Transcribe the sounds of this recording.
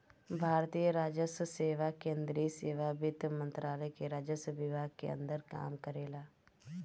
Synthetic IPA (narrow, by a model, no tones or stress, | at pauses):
bʱaːɾt̪iːjəɾaːd͡ʒəsseːʋaːkẽːnd̪ɾiːseːʋaːbɪt̪mə̃nt̪ɾaːləɛkeɾaːd͡ʒəsʋɪbʱaːɡ̚kḛə̰nd̪əɾka̰ːmkəɾeːlaː